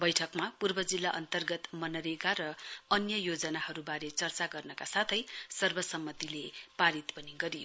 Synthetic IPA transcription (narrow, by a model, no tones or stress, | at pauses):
bʌjʈʰʌkmapurbʌd͡zilːaʔʌnt̪ʌrɡʌt̪mʌnʌɾekaɾʌʌnjʌjod͡zʌnahʌɾubaɾet͡sʌrt͡saɡʌrnʌkasat̪ʰʌjsʌrbʌsʌmːʌt̪ilepaɾit̪pʌniɡʌɾijo